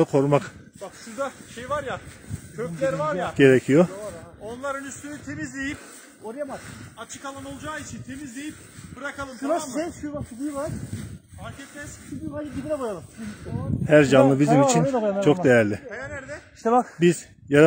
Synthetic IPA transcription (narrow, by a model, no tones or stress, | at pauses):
akʰo̞ɾmak | baksɯd̪aʃejvaɾja | kʰølʲeɾaɾaɟ̥e̞ɾecʰijoonlˠaɾɯnyst̪ynyt̪ʰemizd̪ʲejip̚ | oɾijamazat͡ʃʰɯ̥kalˠanolˠd͡ʒaːit͡ʃʰint̪ʰemizd̪ʲejip̚b̥ɯɾakalˠɯmʰaɛʃuaʃd̪ivaɾaɾkʰɛt̪ːɛsabid̪id̪ɛbajalˠɯm | hæɾd͡ʒanlˠɯbizimit͡ʃʰint͡ʃʰo̞kd̪e̞jæɾlʲɪjaɾæɾd̪ɛiʃt̪ɛbakbiz̥ | jaɾa